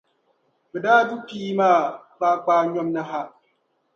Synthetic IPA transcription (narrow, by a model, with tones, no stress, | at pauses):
bɛ˨daː˦du˦piː˦maː˦˨baː˦k͡paː˦ɲɔ˦mna˦ɦa˦